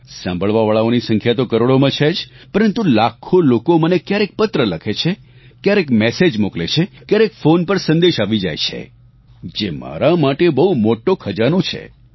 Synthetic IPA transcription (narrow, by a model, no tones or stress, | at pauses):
sã̰mbʱəɭʋaʋaɭaonisə̃ŋkʰjat̪okəɾoɽomãt͡ʃʰed͡ʒpəɾənt̪ulakʰolokomənekjaɾek̚pət̪ɾələkʰet͡ʃʰe | kjaɾekmɛsed͡ʒmuklet͡ʃʰekjaɾekfonpəɾsə̃nd̪eʃaʋid͡ʒa̰jt͡ʃʰḛ | d͡ʒema̰ɾamaʈebəɦumoʈokʰəd͡ʒanot͡ʃʰḛ